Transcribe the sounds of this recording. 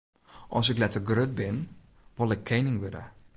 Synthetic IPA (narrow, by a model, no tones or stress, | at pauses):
ʔɔs̬ɛklɛtərɡrøt̚bɪn | ʋɔlˠɛkʰːejnɪŋʋødə̰